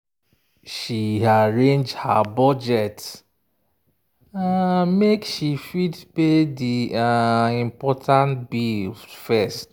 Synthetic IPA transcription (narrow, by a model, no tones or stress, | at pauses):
ʃiaɹẽnd͡ʒha̰bɔd͡ʒɛt | amekʃifidpediaĩmpɔtʰãntbilfɛst